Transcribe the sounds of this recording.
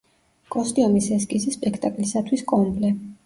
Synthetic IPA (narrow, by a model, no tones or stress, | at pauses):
kʼɔst̪ʼiɔmisɛskʼisispʼɛkʰt̪ʼakʼlisat̪ʰwiskʼɔmblɛ